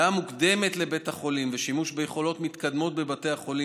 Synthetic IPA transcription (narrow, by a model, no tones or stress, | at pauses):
amukd̪e̞me̞t̪le̞be̞taχo̞limveʃimuʃbejeχo̞lo̞t̪mit̪kad̪mo̞t̪̚be̞bate̞jhaχo̞li